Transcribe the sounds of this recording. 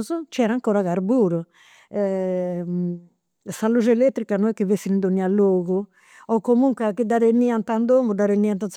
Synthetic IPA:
zut͡ʃɛːɾaŋkoːɾaɣaɾbuːɾu | ɛ | salud͡ʒɛelet̪ːɾikanɔɛkːivesːinind̪onːialːoːɣu | ɔkːomuŋkakid̪ːaɾenːiant̪and̪omud̪aɾenːiant̪ans

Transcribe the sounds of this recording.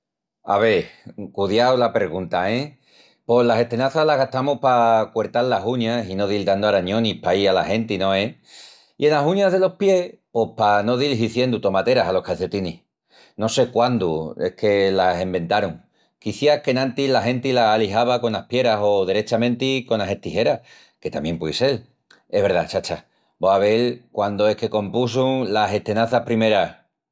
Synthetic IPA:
a̰βe̞kuðjawlapeɣ̞unt̪aẽ | po̞lase̞ht̪e̞naθalaɣat̪amupakwe̞ɾt̪allaɦuɲasino̞ðild̪and̪oaɾaɲõ̞nipaiala̰he̞nt̪inõ̞e | ie̞nasuɲaɦðe̞lo̞hpje̞hpo̞pano̞ðilɦiθje̞nd̪ut̪o̞mat̪e̞ɾasalo̞hkaθe̞t̪inih | no̞se̞kwand̪uehkʰe̞lase̞mbe̞nt̪aɾuŋ | kiθjake̞nãnt̪ilaɦẽ̞nt̪ilaːliɦaβ̞ako̞nahpje̞ɾaso̞ðeɾet͡ʃamẽ̞nt̪iko̞nase̞ht̪iɦe̞ɾa | ke̞t̪a̰mje̞mpwðise̞l | e̞ɦβe̞ɾðat͡ʃat͡ʃa | boaβe̞lkwand̪oe̞hke̞ko̞mpus̬uŋlase̞t̪e̞naθahpɾime̞ɾah

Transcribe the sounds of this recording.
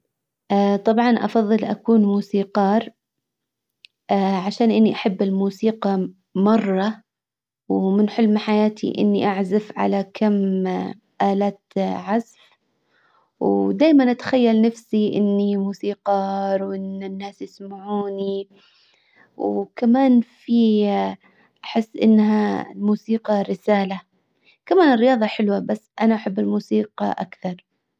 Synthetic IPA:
ʔaːt̪ˤɑbʕɑnʔɑ̰fɑðˤːɨlʔa̰kuːnmuːsiːqɑːɾ | ʔaʕaʃaːnʔɪnːiʔaħabːɪlmuːsiːqɑ | mɑrˤːɑ | wmɪnħʊlmħajaːt̪ʰḭʔɪ̰nːiʔaʕzafʕa̰lakʰam | ʔaːlaːt̪ʕazf | wd̪aːjmanʔat̪ḁxajːalnafsiʔɪ̰nːimuːsiːqɑɾˤwʔɪnːɪnːaːsjɪsmaʕuːni | wkamaːnfi | ʔaħɪsːʔɪ̰nːɦalmuːsiːqɑɾɪsaːla | kamaːnɪrːɪjɑːðˤɑħɪlwabasːʔanaʔaħabːɪlmuːsiːqɑ̰ʔa̰kθɑɾˤ

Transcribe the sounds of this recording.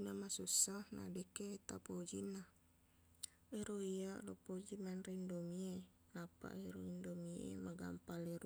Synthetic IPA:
namasusːahna̰dɛket̪apod͡ʒina | eɾoialopod͡ʒimanrindomie | apa̰ʔeɾoindomiḛmaɡa̰mpaleɾu

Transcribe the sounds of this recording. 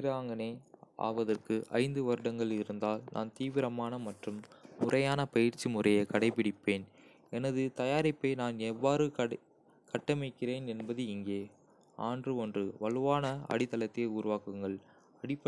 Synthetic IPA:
ɾaːŋɡɐneːʔa̰ːʋɐðɐrkɯʔɐ̰ɪnd̪ɯʋɐɾɯɽɐŋɡɐɭɪɾɯnd̪aːlnʔa̰ːnt̪iːʋɪɾɐmaːnɐmɐʈrɯmːʊrɐjaːnɐpɐjɪrt͡ʃimʊrɐjɐkɐɽɐɪpɪɽɪpːeːn | ɛnɐðɯt̪ɐjaːɾɪpːeɪnaːnɛʋːaːɾɯɐ | kɐʈːɐmɪkːɪɾeːnɛnbɐðɯɪŋɡeː | aːndrɯɔndrɯʋɐɭɯʋaːnɐɐ̰ɽɪt̪ːɐlɐt̪ːeɪuːɾʊʋaːkɯŋɡɐɭ | ɐɽɪpːɐ

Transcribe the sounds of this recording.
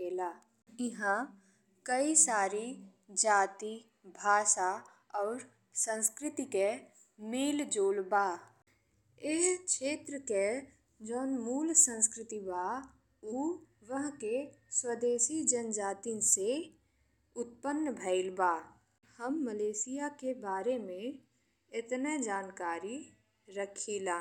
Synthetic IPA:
eːlaː | ɪɦã | kəisaːɾi | d͡ʒaːt̪i | bʱaːʃa | ɔːɾ | sə̃nskɾɪt̪ike | meːld͡ʒoːlbaː | eskʃeːt̪ɾəke | d͡ʒɔːnmuːlsə̃nskɾɪt̪ibaː | uːʋəɦkeswəd̪eːsid͡ʒənd͡ʒaːt̪inse | ʊt̪̚pənːbʱəɪlbaː | həmːəleːsɪjakebaːɾemẽ | ɪt̪ned͡ʒaːnkaːɾi | ɾəkʰilaː

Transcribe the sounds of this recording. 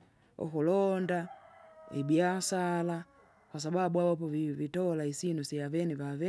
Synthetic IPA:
ṵkulɔnda | ḭbiasala | kwas̬ababuawap̬ɔvivitɔlaisinusiavɛnivavɛ

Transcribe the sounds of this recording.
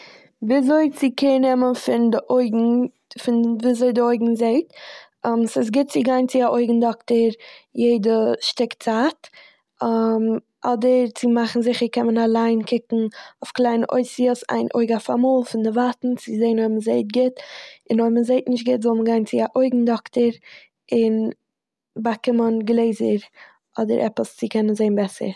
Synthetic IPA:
viːzoɪt͡sɪkɪnɛmənfɪndɪʔoɪɡŋ̩ | fɪnviːzoɪdɪoɪɡŋ̩zeɪtː | msɪs̬ɡɪt̚t͡sɪɡaɪnt͡sɪaʔoɪɡŋ̩dɔktəɾjeɪdəʃtɪkt͡saːt | m | ɔdəɾt͡sɪmaχn̩zɪχəɾkɛnmənalˠaɪnkʰɪkŋ̩oʊfklˠaɪnəʔoɪsiəsa̰ɪnʔo̰ɪɡafa̰muːlˠfɪndɪvatn̩t͡sɪzeɪnhɔbmənzeɪt̚ɡɪtɪnomənzeɪtnɪʃtɡɪtzɔlˠməɡaɪnt͡sɪaʔoɪɡŋ̩dɔktəɾ | ɪn | bakɪmənɡlˠeɪzəɾ | ɔdəɾʔɛ̰pəst͡sɪkʰɛnənzeɪnbɛsə̰ɾ

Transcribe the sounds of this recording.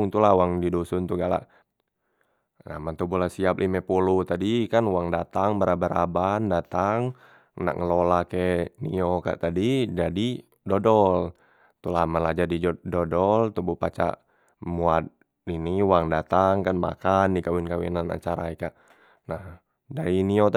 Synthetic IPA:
ŋt̪ulahwaŋdidusunt̪uɡala̰ | na̰mant̪ubulasiaplʔimɛpulut̪adikanuwaŋdat̪aŋbəɾabaɾabandat̪aŋ | na̰kŋəlolakɛnḭɔka̰ʔt̪adid͡ʒadi | dɔdɔl | t̪ulamalad͡ʒadidɔdɔlt̪ubupat͡ʃa̰ʔ | muat̪̚ | iniwaŋdat̪aŋkanma̰kandikawinkawḭnana̰t͡ʃaɾaɛkaʔ | nah | daɾiniot̪

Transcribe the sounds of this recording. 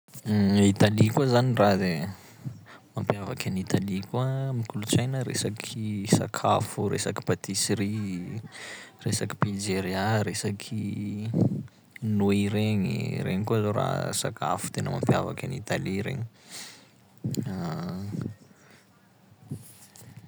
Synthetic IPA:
it̪alikazanirad̪e | mampjavakanit̪alikuamikuluʈ͡ʂajnəɾḛsakʰisa̰kʰafurḛsaki̥pat̪isɾi | resaki̥pild͡ʒeɾiaɾesakʰi | noiɾeɲḭɾʔḛŋikuazoɾa̰sa̰kʰa̰fu̥t̪enəma̰mpjava̰kʲanit̪aliɾḛŋi | a

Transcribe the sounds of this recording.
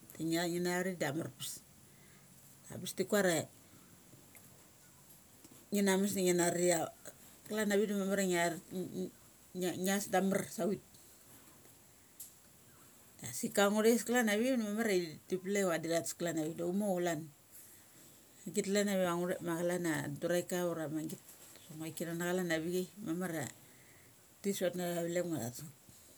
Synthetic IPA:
tiŋaŋinaɾidamarpis | da̰pistikuaɾe | ŋinamis̬diŋinaɾia | klanaβidamamaɾaŋ | ŋasdamarsawit̚ | dasikaŋodesklanaβinmamaɾaitipleadiɾatsklanaβidaumolan | aŋɡitlanaβiaŋodemaɣalanaduɾajkauɾamaŋɡitsoŋajkinanaɣalanaβiɡejmamaɾa | tisotnaaβilemala̰tsat̚

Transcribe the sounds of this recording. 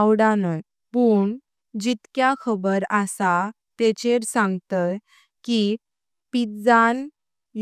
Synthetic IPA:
wɽanə | puɳ | d͡ʑit̪kjakʰəbəɾasa | t̪et͡ɕeɾsãŋɡt̪ət̪ | ki | pid͡zan | j

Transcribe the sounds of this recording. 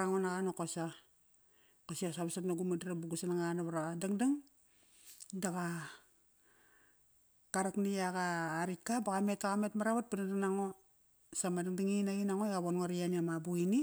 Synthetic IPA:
aŋonaɣanokosa | kasiasaβasatnaɡumadiɾabuɡusanaŋanoβaɾadaŋdaŋ | daka | kaɾakniaɡaːɾikːabaɣame̞takametmaɾaβat̚pinadaŋnaŋo | samadaŋdaŋinaɡinaŋoeɣaβonŋaɾianiamabuini

